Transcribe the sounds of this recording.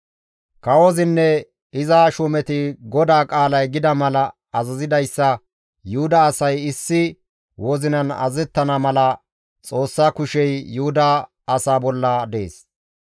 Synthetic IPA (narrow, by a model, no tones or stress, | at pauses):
kɐwɔzɪnːɛ | ɪzaʃʊmɛt̪ɪɡɔd̪aːkʼaːlɐjɡɪd̪ɐmɐlɐː | zɐzɪd̪ɐjsːɐ | jʊhʊd̪ɐːsɐjɪsːɪ | wɔzɪnɐnɐ̰zɛt̪ːɐnɐmɐlɐ | t͡sʼo̞ːsːaːkʊʃɛjːʊhʊd̪ɐː | saːbɔlːɐd̪e̞ːs